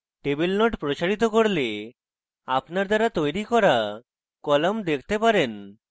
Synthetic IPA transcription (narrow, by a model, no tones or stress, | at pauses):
ʈebelnoʈpɾot͡ʃaɾit̪̬okoɾle | apnaɾd̪aɾat̪ojɾikɔɾa | kɔlɔmd̪ekʰt̪epaɾen